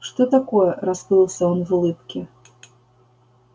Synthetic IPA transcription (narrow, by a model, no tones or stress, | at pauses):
ʂt̪ɔt̪akɔjɛɾaspɨlˠsʲɐɔnvulˠɨpkʲɛ